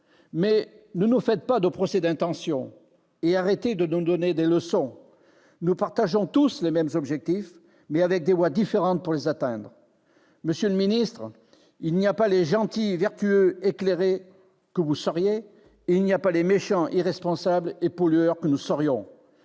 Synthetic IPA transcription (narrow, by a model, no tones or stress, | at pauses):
mɛ | nənufɛt̪̚pad̪əpχɔsɛd̪ɛ̃t̪ɑ̃sjɔ̃ | eaʁet̪ed̪ənud̪ɔned̪eləsɔ̃ | nupaʁt̪aʒɔ̃t̪uslemɛmzɔbʒɛk̚t̪if | mɛavɛk̚d̪evwad̪ifeʁɑ̃t̪̚puʁlezat̪ɛ̃d̪ʁə | məsjøləminist̪χ | ilniapaleʒɑ̃t̪ivɛʁt̪yøekleʁe | kəvusɔʁje | ilniapalemeʃɑ̃ʔiʁɛspɔ̃sablepɔlyœʁkənusɔʁjɔ̃